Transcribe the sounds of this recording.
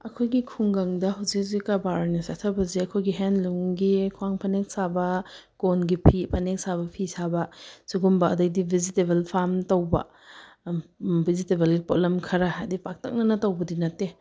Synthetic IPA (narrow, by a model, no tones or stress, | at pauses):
ɐkʰojɡikʰuŋɡaŋdɐɦawzik̚zikːabaɾnisatʰɐbɐzeɐkʰojɡiɦenluŋɡikʰuwaŋpʰɐnek̚sabɐ | konɡipʰipʰɐnek̚saβɐpʰisabɐsuɡumbɐːdak̚dibʱizitebelpʰamtowbɐ̰ | bʱizitebelɡipo̰lemkʰɐɾaɦajdipak̚tʰɐ̰k̚nɐnɐtɐwbɐdinɐtːe